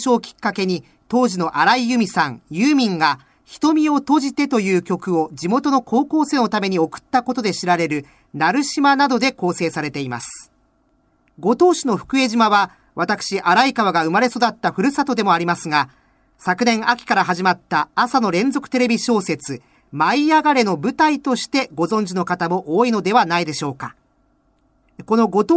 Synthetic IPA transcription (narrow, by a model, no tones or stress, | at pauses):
ɕo̞ːkʲi̥kːake̞ɲ̟i | t̪o̞ːʑino̞ʔaɾaijɯ̟mʲisãŋjɯːmʲĩŋɡa | çi̥t̪o̞mʲio̞t̪o̞ʑit̪e̞t̪o̞jɯ̟ːkʲo̞kɯ̟o̞d͡ʑimo̞t̪o̞no̞kʰo̞ːko̞ːse̞ːno̞t̪ame̞ɲ̟io̞kɯ̟̥t̪ːako̞t̪o̞d̪e̞ɕiɾaɾe̞ɾɯ̟ | naɾɯ̟ɕimanad̪o̞d̪e̞ko̞ːse̞ːsaɾe̞t̪e̞ima̰sɨ̥ | ɡo̞t̪o̞ːɕino̞ɸɯ̟̥kɯ̟e̞ʑimaβa | βat̪akɯ̟̥ɕiʔaɾaikaβaɡaɯ̟maɾe̞so̞d̪at̪ːaɸɯ̟ɾɯ̟sat̪o̞d̪e̞mo̞aɾʲimasɨŋa | sakɯ̟nẽ̞ŋ̃akʲi̥kaɾaɦaʑimat̪ːaːsano̞ɾẽ̞nzo̞kɯ̥t̪e̞ɾe̞bʲiɕo̞ːse̞t͡sɨ | maiaɡaɾe̞no̞bɯ̟t̪ait̪o̞ɕi̥t̪e̞ɡo̞zõ̞ɲ̟d͡ʑino̞kat̪amo̞ʔoːino̞d̪e̞β̞anaid̪e̞ɕo̞ːka̰ | ko̞no̞ɡo̞t̪ː